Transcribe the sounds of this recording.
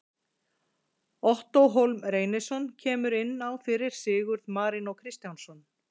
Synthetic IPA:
ɔht̪ɔwɦowlmreːjnɪsɔncʰɛːmʏɾɪnːawfɪɾɪɾ̥sɪːɣʏɾðmaːɾɪnɔɣkʰɾɪst̪jawnsɔn

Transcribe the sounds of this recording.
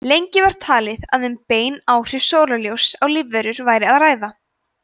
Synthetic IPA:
lejɲcɪvaɾ̥t̪ʰaːlɪðaðʏmpeːjnaːwr̥ɪv̥soːwlaljowsawlɪvːɛɾʏɾvaːjɾɪaðraːjða

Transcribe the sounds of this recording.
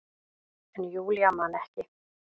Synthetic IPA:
ɛnjuːljamanɛhcɪ

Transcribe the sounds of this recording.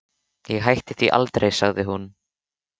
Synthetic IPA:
jɛɣɦajht̪ɪθviʔa̰lt̪ɾejsaɣðɪɦun

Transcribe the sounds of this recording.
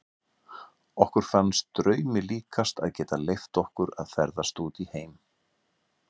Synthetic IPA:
ɔhkʏɾ̥fanːst̪ɾœːɥmɪliːkʰast̪a̰ðcɛːt̪alejft̪ɔhkʏɾa̰ðfɛɾðast̪uːt̪iheːjm

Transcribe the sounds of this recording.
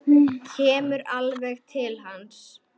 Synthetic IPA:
cʰɛːmʏɾalvɛɣt̪ʰɪlɦans

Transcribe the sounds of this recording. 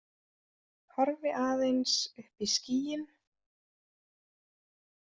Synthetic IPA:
hɔɾvɪʔaːðejnsʏhpisciːjɪn

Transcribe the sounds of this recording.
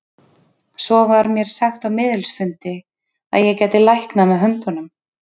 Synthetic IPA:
sɔvaɾmjɛɾ̥saxt̪awmɪːðʏlsfʏnt̪ɪ | a̰ðjɛɣcɛːt̪ɪlajhknamɛðɦœnt̪ɔnʏm

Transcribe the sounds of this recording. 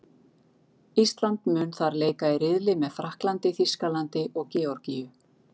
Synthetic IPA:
ist̪lant̪mʏːnθaɾleːjkaɪrɪðlɪmɛðfɾahklant̪ɪθiskalant̪ɪʔɔɣcɛːɔɾcijʏ

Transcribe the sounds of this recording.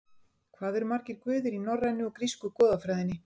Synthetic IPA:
kʰvaːðɛɾmaɾ̥cɪɾ̥kvʏːðɪɾinɔrːajnːɪɔkɾiskʏkɔːðafɾajðɪnːɪ

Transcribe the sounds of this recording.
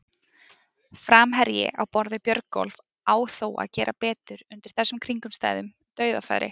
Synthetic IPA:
fɾaːmɦɛɾjɪ̰ʔawpɔɾðɪpjœɾkɔ̰lv | aːwθoːwa̰ðcɛːɾʔapɛːt̪ʏɾʏnt̪ɪɾ̥θɛsːʏmkʰɾiŋkʏmst̪aːjðʏm | t̪œːɥða̰fa̰jɾʔɪ̰

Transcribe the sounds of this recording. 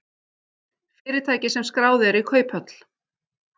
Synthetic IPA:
fɪːɾɪt̪ʰaːjcɪsɛmskɾaːwðɪɛɾikʰœːɥphœt̪l̥

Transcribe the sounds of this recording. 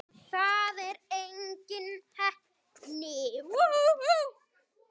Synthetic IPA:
θaðɛɾejɲcɪnhɛhp | nɪ

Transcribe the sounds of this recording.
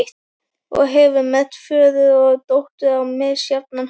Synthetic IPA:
t̪ | ɔ̰ɣɦɛvʏɾmɛt̪fœːðʏðɔɣt̪owht̪ʏðawmɛðsjap̪̚nan

